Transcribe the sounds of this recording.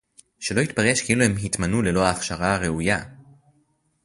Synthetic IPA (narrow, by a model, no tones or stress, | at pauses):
ʃe̞lo̞it̪paʁeʃkeiluhe̞mɦit̪manule̞lo̞aːχʃaʁaːʁe̞uja